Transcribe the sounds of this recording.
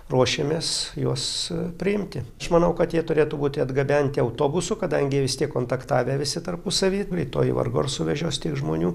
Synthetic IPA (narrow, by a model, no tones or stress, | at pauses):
ruɔʃʲemʲeːsjuɔspʲɾʲɪɪmʲt̪ʲɪɐʃmɐnɐʊkɐt̪jiɛt̪ʊɾʲeːt̪ʊbuːt̪ʲɪɐd̪ɡɐbʲɛnʲt̪ʲɪɐʊt̪oːbʊsʊkɐd̪ɐŋʲɡʲɪʋʲɪst̪ʲiɛkːoːnt̪ɐkt̪ɑːʋʲeːʋʲɪsʲɪt̪ɐrpʊsɐʋʲiːɾʲɛɪt̪o̰ːjḭʋɐ̰rɡo̰ːrsʊʋʲɛʒʲoːst̪ʲiɛkʒmo̰ːnʲuː